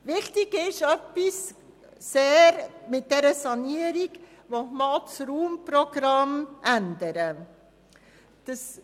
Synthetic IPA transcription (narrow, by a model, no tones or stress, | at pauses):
ʋɪχtɪɡɪʃœpːisː | eːɾmɪt̚d̥ɛɾəsɑniəɾiɡ | ʋomɑlsɾuːmpɾɔɡ̥ɾɑmʔændəɾə | d̥əs